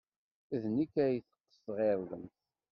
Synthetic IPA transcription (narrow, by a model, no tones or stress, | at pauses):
ðnikːæjθə̥qːə̥sʁeɾˤðəmθ